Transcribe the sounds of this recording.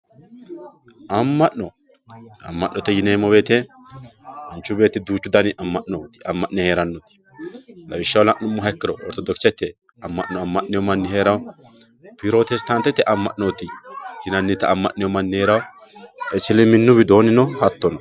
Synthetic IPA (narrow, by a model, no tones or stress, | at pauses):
ʔɐmːɐʔnɔ | ɐ̰mːɐʔnːɔt̪ɛjɪneːmɔbe̞ːt̪ɛ | ɐnt͡ʃːʊbe̞ːt̪ːɛd̪uːt͡ʃːʊd̪ɐnɪʔɐmːɐʔnoːt̪ɪ̥ɐmːɐʔnɛheːɾɐnːɔt̪ɪ̥ | lɐbɪʃːɐwlɐʔnʊmːʊɦɐkːɪɾɔɔ̰ɾt̪ɔd̪ɔksɛt̪ːɛ | ɐmːɐʔnɔɐmːɐʔnɪjɔmɐnːɪhe̞ːɾɐw | pɪɾoːt̪ɛst̪ɐnt̪ːɛt̪ːɛʔɐmːɐ̰ʔnoːt̪ɪhɪnɐnːɪt̪ːɐɐmːɐʔnɪjɔmɐnːɪheːɾɐw | ɛsɪlɛmɪnːʊbɪd̪o̞ːnɪnɔhɐt̪ːɔnɔ